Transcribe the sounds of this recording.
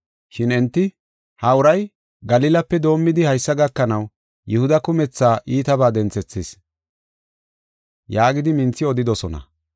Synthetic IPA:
ʃɪnɛnt̪ːɪ | hɐʊɾɐj | ɡɐlɪːlɐpːɛd̪o̞ːmːɪd̪ɪhɐjsːɐɡɐkːɐnɐw | jɛhʊd̪ɐkʊmɛt͡sːaːʔiːt̪ɐbaːd̪ɛnt͡sɛt͡sːɪs | jaːɡɪd̪ɪmɪnt͡sːɪɔd̪ɪd̪ɔsɔnɐ̰

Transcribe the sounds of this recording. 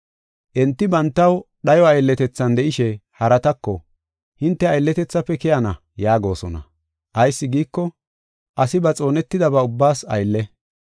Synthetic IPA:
ʔɛnt̪ːɪbɐnt̪ːɐw | ɗɐjɔɐjlːɛt̪ɛt͡sːɐnd̪ɛʔɪʃɛhɐɾɐt̪ɐkːɔ | hɪnt̪ːɛɐjlːɛt̪ɛt͡sːɐpːɛkɛjɐnɐ | jaːɡo̞̰ːsɔnɐ̰ | ʔɐjsːɪɡiːkːɔ | ʔɐsɪbɐt͡sʼo̞ːnɛt̪ːɪd̪ɐbɐʊbːaːsɐ̰jlːɛ

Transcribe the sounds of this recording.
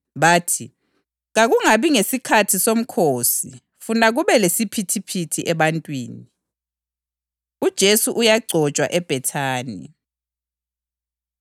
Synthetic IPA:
βaːtʰi | ɣaɣuŋaβiŋesikʰatʰisom̩kʰoːsi | funaɣuβɛlesipʰitʰipʰitʰiʔɛβantʼwḭːni | ud̥ʒ̥ʱesuʔujaɡ͡ǀʱɔt͡ʃʼwa̰ʔɛb̥ʱɛtʰaːnḭ

